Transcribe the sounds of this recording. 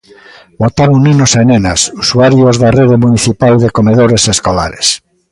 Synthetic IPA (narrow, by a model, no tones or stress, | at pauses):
bot̪aɾoŋninosenenasusuaɾjozðareðemuniθipalðekomeðoɾeseskola̰ɾes